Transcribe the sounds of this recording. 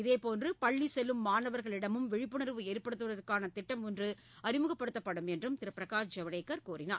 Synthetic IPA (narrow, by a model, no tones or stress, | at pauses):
ɪðeːpoːndrɯpɐɭːisɛlːɯmːaːnɐʋɐɾɣɐɭɪɽɐmɯmʋɪɻɪpːɯnɐɾʋɯeːɾpɐɽɯt̪ːɯʋɐðɐɾkaːnɐt̪ɪʈːɐmɔndrɯ | ɐɾɪmɯɣɐpːɐɽɯt̪ːɐpːɐɽɯmɛndrɯmt̪ɪɾɐpːɾɐɣaːɾd͡ʒɐʋɐɽeɪkːɐɾkuːrɪna̰ː